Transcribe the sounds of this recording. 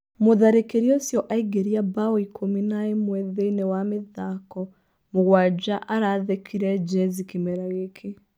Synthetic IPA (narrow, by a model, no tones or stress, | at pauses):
moðaɾekeɾiɔsjɔʔaiɡeɾiabaɔikʰominaemwɛðeinewameðakɔ | moɣwad͡ʑaʔaɾaːðekʰiɾɛd͡ʒɛzikimɛɾaɣekʰe